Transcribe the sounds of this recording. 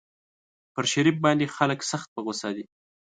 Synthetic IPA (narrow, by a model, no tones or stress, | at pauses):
pəɾʃaɾif̚bɑnd̪exaləksaxt̪̚pəɣosɑd̪i